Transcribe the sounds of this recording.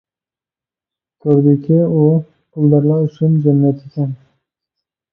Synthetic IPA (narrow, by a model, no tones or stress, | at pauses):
t̪ʰɵɾd̪ɪkʲʰɪʊ | ʊld̪aɾlaɾʊʃʊnd͡ʒamːijat̪ʰekʲʰan